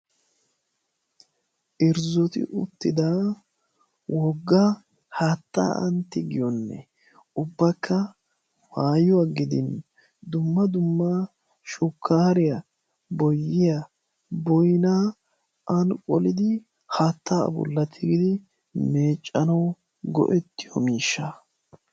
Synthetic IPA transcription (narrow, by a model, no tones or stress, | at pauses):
ʔɪɾzɔt̪ɪ̰ʔʊt̪ːɪd̪a | wɔɡːɐ | haːt̪ːa̰ːɐ̰nt̪ːɪɡɪjɔnːɛ̰ | ʊbːɐkʰːɐ | faːjɔɐɡɪd̪ɪ̰n | d̪ʊmːɐd̪ʊmːa | ʃʊkʰːaːɾɪjɐ | bɔjːɪjɐ | bɔjnaː | ʔɐnkʼɔlɪd̪ɪ | hat̪ːa̰bʊ̰lːɐt̪ʰːɪɡɪd̪ɪ | meːt͡ʃʼːɐnɐw | ɡɔ̰ʔɛt̪ːɪjɔ̰miːʃːɐ